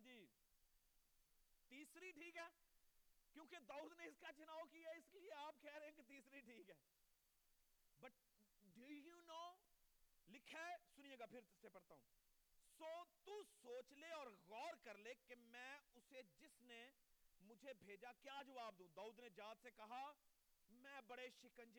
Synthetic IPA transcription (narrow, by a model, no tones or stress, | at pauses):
d͡ʒiː | t̪iːsɾiʈʰiːkɦɛː | kjõːked̪aːuːd̪neɪskat͡ʃʊnaːʋkijaɪslieaːp̚kɛːɾeɦẽket̪iːsɾiʈʰiːkɦɛː | bɐʈ̚ | ɖujunoː | lɪkʰeːsʊnijeːɡapʰɪɾt̪ɪsepɐɽt̪aːɦũː | soːt̪usoːt͡ʃleɔːɾɣɔːɾkɐɾlekemɛ̃ːʊsed͡ʒɪsnemʊd͡ʒʱebʱeːd͡ʒakjaːd͡ʒɐʋaːb̚d̪ũːd̪aːuːd̪ned͡ʒaːd̪sekɐɦa | mɛ̃ːbɐɽeʃɪkə̃nd͡ʒe